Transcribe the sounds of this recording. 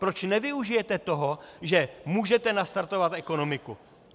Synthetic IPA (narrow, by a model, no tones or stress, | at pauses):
pɾo̞t͡ʃnɛvɪuʒɪjɛt̪ɛt̪oɦoʒɛmuːʒɛt̪ɛnast̪aɾt̪o̞vat̪ʔɛkono̞mɪku